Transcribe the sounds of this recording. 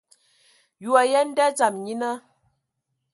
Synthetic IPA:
ju˨a˨jɛ˦n̩˦dɛ˦d͡za˨mɲi˦nə˦

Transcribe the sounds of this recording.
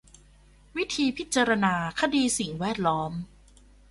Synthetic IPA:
wi˦˥t̪ʰiː˧pʰi˦˥t̪̚t͡ɕaː˧ɾa˧naː˧kʰa˧diː˧si˨˩ŋwɛː˥˩t̪̚lɔː˦˥m

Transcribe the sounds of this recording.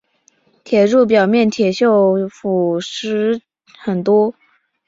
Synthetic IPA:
t̪ʰjɛ˨˩ɻu˥˩p̬jɑ˨˩ʊmjɛ˥˩nt̪ʰjɛ˨˩ɕjo˥˩ʊfu˨˩ʂɻ̩˥ | xə˨˩nt̪wɔ˥

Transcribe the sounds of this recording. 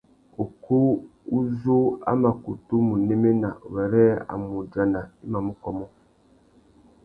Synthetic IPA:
o˨ko˦u˦zo˦a̰˦ma˨ku˨tu˦mu˨ne˦me˦na˨wɛ˨ɾɛ˦a̰˨mu˨d͡ʒa˨na˨i˦ma˨mu˦kɔ˦mɔ˦

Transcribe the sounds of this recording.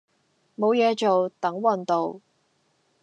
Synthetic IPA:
mo˨˧wjɛː˨˧t͡ʃo˨wt̪ɐ˨˥ŋwɐ˨˩nt̪o˨w

